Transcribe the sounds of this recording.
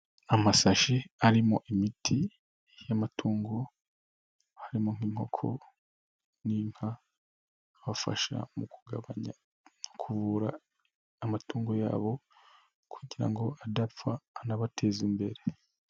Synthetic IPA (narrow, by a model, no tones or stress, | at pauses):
amasaʃiaɾimoʔimitʰi | jamatʰuːŋɡo̞ | haɾimo̞ŋ̥iːŋho̞̰kʰo̞̰ | nim̥ha | βafa̰ʃa̰muku̥ɡaβaɲa̰ | nokʰuvuːɾaː | matuːŋɡo̞ja̰ːβo̞ | kʰuɟiɾa̰ŋɡoadafaːnaβatʰe̞ːzimbe̞ɾe̞